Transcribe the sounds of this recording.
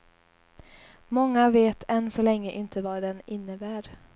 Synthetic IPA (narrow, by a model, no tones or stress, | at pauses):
mɔŋːaveːt̪ʰɛnsɔlɛŋːəʔɪnt̪ʰəvɑɖɛnɪnːəbæːɾ